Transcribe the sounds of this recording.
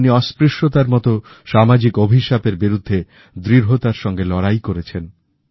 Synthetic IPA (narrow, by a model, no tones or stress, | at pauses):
niɔspɾeʃʈot̪aɾmɔt̪o | ʃamad͡ʑikobʱiʃapeɾbiɾud̪ʱːe | d̪ɾiɾɦot̪aɾʃɔŋɡelɔɾajkoɾet͡ɕʰen